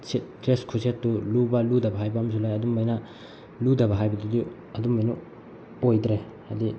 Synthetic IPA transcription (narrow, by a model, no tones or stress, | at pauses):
set̚dɾeskʰusetːulubɐludɐbɐɦajbɐms̬ʰulajɐdumbajnɐ | ludɐbɐɦajbɐdudi | ɐdumbɐjnɐ̰ | ojdɾe | ɐdi